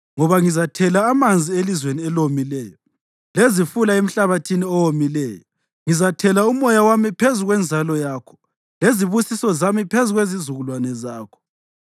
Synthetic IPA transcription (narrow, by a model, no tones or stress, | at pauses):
ŋɔβaŋizatʰɛlaːmand͡zʱielizweniɛlomilɛːjɔ | lezifulaem̩ɬaβatʰiniɔwomilɛːjɔ | ŋizatʰɛlaumɔjawamipʰezuɣwɛnd͡zʱalɔjaːkʰɔ̥ | leziβusisɔzamipʰezuɣwezizuɣulwanɛzaːkʰɔ̥